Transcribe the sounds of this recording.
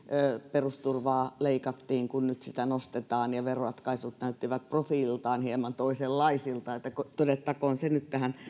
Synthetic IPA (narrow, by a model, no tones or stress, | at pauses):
perust̪urʋɑːleikɑt̪ːiːŋkunnyt̪sit̪ænost̪et̪ɑːnjɑʋeroɑt̪kɑisut̪næyt̪ːiʋæt̪̚profilt̪ɑˑinhiemɑnt̪oiselːɑisilt̪ɑet̪ːækot̪odet̪ːɑkoːnsenyt̪t̪æhæn